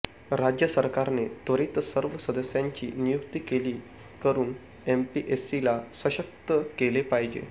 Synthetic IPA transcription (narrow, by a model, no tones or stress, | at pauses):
ɾad͡ʑjəsəɾkaɾnet̪əɾit̪səɾʋəsəd̪əsjaɲt͡ɕḭːnijukt̪iːkeliː | kəɾuːn | empiʔesilasʋəɕək̚t̪əkelepaɦid͡ʑḛ